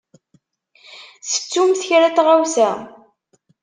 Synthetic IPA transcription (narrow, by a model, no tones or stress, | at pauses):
sə̥t͡sːumθəçɾæt̪ʁawsæ